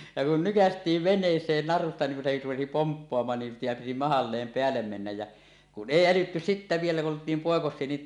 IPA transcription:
jɑ kun nykæstˑiːʋ ʋenˑeːsˑeːn nɑrustɑ niːŋ kun se rupesi pompːoɑmɑːn nim pij̆ɑm piti mɑhɑlːeːm peælːem menːæj jæ kun ʔeˑi ælytːy sitːæ ʋielæ kun oltˑiːm poˑekosˑie niːn

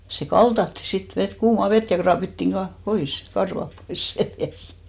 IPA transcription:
se kɑltɑtːi sit ʋet kuːmɑ ʋet jɑ krɑːpitːiŋ kɑ pois kɑrʋɑp pois seljæst

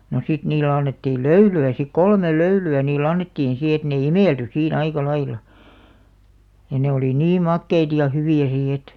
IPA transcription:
no sit niːlːĕ ɑnːetːiːl løylyæ sik kolmel løylyæ niːlˑ ɑnːetːiːn si et ne imeˑlty siːn ɑikɑ lɑilɑ jɑ ne oliˑ niː mɑkːeit jɑ hyʋiˑæ si et

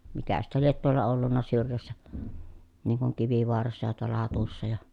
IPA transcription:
mikæ sitːæ liet tuolːɑ olːunːɑ syrjæsːæ niŋ kuŋ kiʋiʋoɑrɑsːɑ jɑ tuolˑɑ hɑtusːɑ jɑ

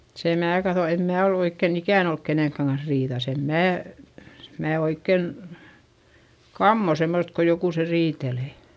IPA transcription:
se mæː kɑθo em mæː ol oikːen ikæˑn olk keneˑŋkːæŋ kɑns riːðɑs em mæː mæː oikːen kɑmːo semːost ko jokuse riːteleˑ

